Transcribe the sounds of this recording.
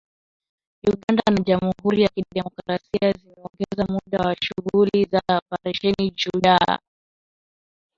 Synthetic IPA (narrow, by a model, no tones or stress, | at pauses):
uɠandanaʄamuɦuɾijakiɗɛmɔkɾasiazimɛɔŋɡɛzamuɗawaʃuɣulizaɔpaɾiʃɛnid͡ʒuɗa